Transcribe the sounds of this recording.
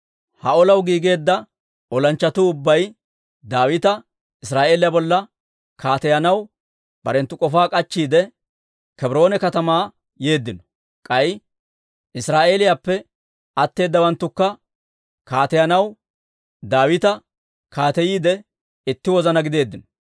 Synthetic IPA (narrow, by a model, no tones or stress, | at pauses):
hɐɔlɐwɡiːɡe̞ːd̪ːɐ | ɔlɐnt͡ʃːɐt̪ʊʊbːɐj | d̪aːwɪt̪ɐ | ɪs̬ɾaːʔe̞ːlɪjabɔlːɐ | kʰaːt̪ɛjɐnɐw | b̥ɐɾɛnt̪ːʊkʼɔfaːkʼɐt͡ʃːiːd̪ɛ | kɛbɾo̞ːnɛkɐt̪ɐmaː | je̞ːd̪ːɪnɔ̥ | kʼɐj | ʔɪsɾaːʔe̞ːlɪjaːpːɛ | ɐt̪ːe̞ːd̪ːɐwɐnt̪ːʊkːɐ | kaːt̪ɛjɐnɐw | d̪aːwɪt̪ɐ | kʰaːt̪ɛjiːd̪ɛ | ɪt̪ːɪwɔzɐnɐɡɪd̪e̞ːd̪ːɪnɔ̥